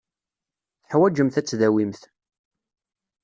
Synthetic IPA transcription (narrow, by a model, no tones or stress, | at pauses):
θəħwæd͡ʒəmθæt͡sːðæwimθ